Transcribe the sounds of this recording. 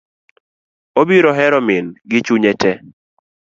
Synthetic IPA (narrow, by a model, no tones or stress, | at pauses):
obiɾɔɦɛɾɔmɪnɡɪt͡ʃuɲɛtɛ